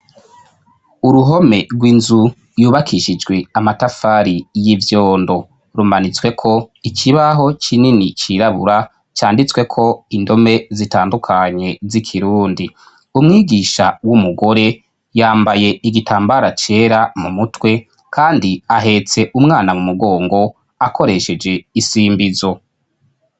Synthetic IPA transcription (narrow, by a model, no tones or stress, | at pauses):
uɾuɦo̞me̞ɾɡwinzu | juːβakʰiʃid͡ʒɡwe̞amatafaːɾijivjo̞ːndo̞ | ɾumanit͡swe̞kʰo̞ikʰiβaɦo̞t͡ʃininit͡ʃiɾaβuɾa | t͡ʃaːndit͡swe̞kʰo̞indo̞me̞zitaːndukʰaɲe̞zikʰiɾuːndi | umŋiːɡiːʃawumuɡo̞ɾe̞ | jaːmbaje̞iɡitʰaːmbaɾat͡ʃe̞ːɾamumutwe̞ | kʰaːndiaɦe̞t͡se̞ʔumŋaːnamumuɡo̞ːŋɡo̞ | akʰo̞ɾe̞ʃe̞d͡ʒe̞isiːmbizo̞